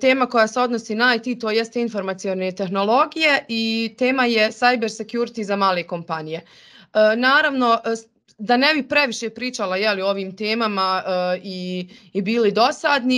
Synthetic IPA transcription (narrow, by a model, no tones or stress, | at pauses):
t̪e̞ːmako̞jaːse̞o̞d̪no̞siːnaːjt̪it̪oje̞st̪einfo̞ɾmat̪sijone̞t̪e̞xno̞lo̞ɡije̞it̪e̞ːmaje̞sajbe̞ɾse̞kjuɾit̪izamaːlˠe̞ːko̞mpanije̞ | əːnaːɾaʋno̞ʔ | d̪anebipɾe̞ʋiʃe̞pɾiːt͡ʃalajelioo̞ʋiːmt̪e̞ːmamaiːbiːlid̪o̞saːd̪ni